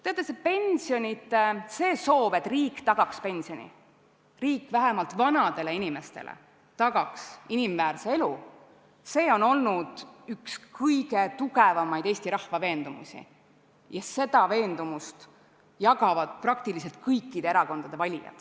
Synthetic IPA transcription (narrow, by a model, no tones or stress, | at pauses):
t̪eot̪ːˑesepe̞nʲsio̞nʲit̪ˑese̞ːso̞ːb̥e̞t̪ːˑriːkːt̪ɑɡ̥ɑkspe̞nʲsio̞nʲḭ | riːkːˑvæɦɛmɑlt̪vɑnɑd̪e̞le̞inime̞st̪e̞̰lʔḛ | t̪ɑɡ̥ɑksinimvæːrsee̞lu | se̞ːo̞no̞lnud̪̥ykskʰɤjɡ̥e̞t̪uɡ̥e̞vɑmɑjd̪̥e̞ːsʲt̪iɾɑhvɑve̞ːnd̪umṵsʲḭ | jɑse̞d̪̥ɑve̞ːnd̪̥umust̪ | jɑɡ̥ɑvɑd̪̥prɑk̚t̪ilise̞lt̪̚kɤjkˑːid̪̥e̞eɾɑko̞nd̪̥ɑd̪e̞vɑlʲijɑ̰t̪